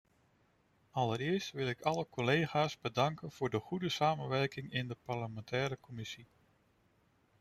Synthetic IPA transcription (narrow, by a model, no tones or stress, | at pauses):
ɑləɾɪːɹstʋɪlˠɪkɑləkɔlejχaːsbədɑŋkənv̥ʊːɹdəχudəsaːmənʋɛɹkɪŋɪndəpɑɹləmɛntʰɛːɾəkɔmɪsi